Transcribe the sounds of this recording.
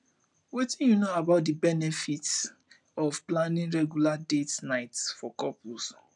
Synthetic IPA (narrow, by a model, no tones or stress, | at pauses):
wetĩnjunoabaʊt̚dibɛnɛfit | ɔfplãnĩnɹɛɡjuladetnaɪtsfɔkɔpus